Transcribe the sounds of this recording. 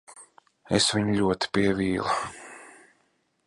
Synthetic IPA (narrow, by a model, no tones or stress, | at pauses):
esviɲʎʲuɔt̪i̥piɛviːlˠa